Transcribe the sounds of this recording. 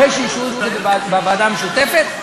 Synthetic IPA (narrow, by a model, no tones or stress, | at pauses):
eʃiʃuzulebavad̪ameʃut̪efet̪